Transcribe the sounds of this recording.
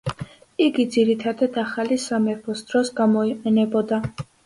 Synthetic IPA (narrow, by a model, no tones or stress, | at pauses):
iɡid̪ziɾit̪ʰad̪ad̪aχalisamɛpʰɔsd̪ɾɔsɡamɔiqʼɛnɛbɔd̪a